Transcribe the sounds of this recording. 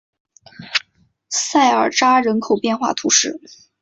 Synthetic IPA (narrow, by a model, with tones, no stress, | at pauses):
sa˥˩ɪə˞˨˩ʈ͡ʂa˥ɻə˧˥nkʰo˨˩ʊpjɛ˥˧nxwa̰˥˩t̪ʰu˧˥ʂɻ̩˥˩